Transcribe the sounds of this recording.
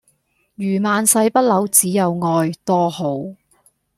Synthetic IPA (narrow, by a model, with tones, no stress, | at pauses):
jyː˨˩maː˨˧nsɐ˧jpɐ˥t̚lɐ˨˥wt͡siː˨˥jɐ˨˧wŋɔː˧jt̪ɔː˥ho˨˥w